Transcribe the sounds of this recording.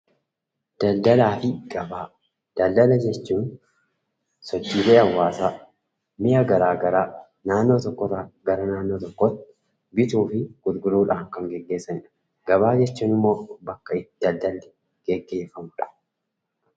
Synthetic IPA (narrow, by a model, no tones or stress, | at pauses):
d̪̥ɐld̪ɐlaːfɪɡ̥ɐbaː | d̪̥ɐld̪ɐlɐd͡ʒɛt͡ʃːuːn | sɔt͡ʃːiːle̞ːɐwːaːsaː | mɪʔaɡɐɾaːɡɐɾaː | naːnːo̞ːt̪ɔkːɔrɐɡɐɾɐnaːnːo̞ːt̪ɔkːɔt̪ | bɪt̪uːfɪɡ̥ʊlɡʊluːᶑaːŋkɐŋɡɛɡːe̞ːsːɐnɪᶑɐ̥ | ɡ̥ɐbaːd͡ʒɛt͡ʃːuːnɪmːo̞ːbɐkːɐɪd̪̥ɐld̪ɐlː | ɡ̥ɛɡːe̞ːfɐmʊᶑɐ̥